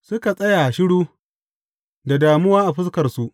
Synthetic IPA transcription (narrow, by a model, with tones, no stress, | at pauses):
sʊ˦ka˨sʼɐ˦ja˨ʃɪ˦ɽuː˦ | da˨daː˨mʊ˦waː˦ʔa˨ɸɪ˦skɐ˨rsu˦ʔ